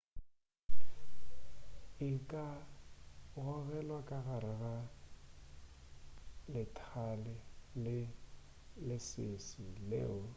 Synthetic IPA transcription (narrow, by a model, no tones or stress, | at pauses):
ɪkʼa | ɣʊɣɛlwakʼaɣaɾɪɣa | lɪtʰalɪlɪ | lɪsɪsɪlḛːʊ